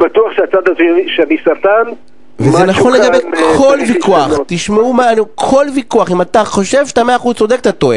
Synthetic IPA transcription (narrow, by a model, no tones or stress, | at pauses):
bat̪uaχʃeat͡sad̪azʃenisaʁt̪an | vezenaχonleɡabekʰo̞lvikuaχt̪iʃmeumanukʰo̞lvikuaχimat̪aχo̞ʃevʃt̪ameaːχuzt͡sod̪ek̚t̪at̪oe